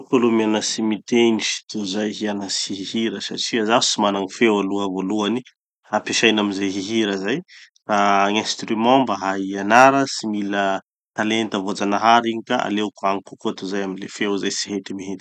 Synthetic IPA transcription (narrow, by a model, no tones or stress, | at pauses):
polumianasimit̪eniʃi̥t̪uzajɦianasiɦihiɾəsa̰ʈ͡ʂiazaɦusimanaŋifewaluəvoluani | hapeʃajnamizeɦiɦiɾəzaj | raaŋɛ̃st̪ɾimɑ̃mbaɦaianaɾəsimilə | t̪alent̪avod͡zanaɦaɾiɲikaʔa̰lewkuaŋikukuat̪uzajaminlefewzajsi̥ɦet̪imiɦet̪